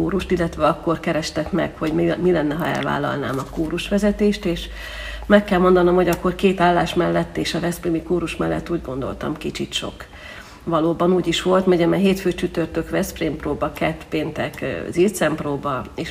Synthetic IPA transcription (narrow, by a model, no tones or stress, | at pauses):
uːɾuʃt̪ilːɛt̪ʋɛɒkːo̞rkɛɾɛʃt̪ɛkmɛ̰kho̞ɟmilɛnːɛɦɒɛ̰lva̰ːlːɒ̰lna̰ːmɒkuːɾuʃʋɛzɛt̪eːʃt̪eːʃ | mɛkːɛlmo̞nd̪ɒno̞mho̞ɟɒkːo̞rkeːt̪aːlːaːʃmɛlːɛt̪ːeːʃɒvɛsprimikuːɾuʃmɛlːɛ̰t̪ːuːɟɡo̞nd̪o̞̰lt̪ɒ̰mkit͡ʃit̪ʃo̞̰k | vɒloːbɒnuːɟiʃʋo̞lt̪mɛɟɛmɛɦeːt̪føːt͡ʃyt̪ørt̪økʋɛspreːmproːbɒkɛt̪peːnt̪ɛkzilt̪sɛmproːbɒeːʃ